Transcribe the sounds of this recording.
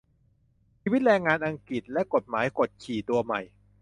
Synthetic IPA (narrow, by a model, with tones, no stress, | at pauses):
t͡ɕʰiː˧wi˦˥t̪̚ɾɛː˧ŋːaː˧nʔa˧ŋki˨˩t̪̚lɛ˦˥ʔko˨˩t̪̚maː˩˦jko˨˩t̪̚t͡ɕʰiː˨˩t̪u˧ɐma˨˩j